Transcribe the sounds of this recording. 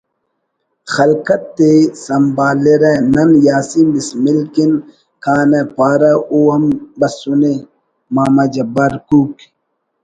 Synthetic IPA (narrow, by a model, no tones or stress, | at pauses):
xɐlkɐt̪ːesɐmbaːleɾenɐnjaːsimbismilkin | kʰaːnepaːɾaoːɦɐmbɐsːune | maːmɐd͡ʒɐbɐɾkuːk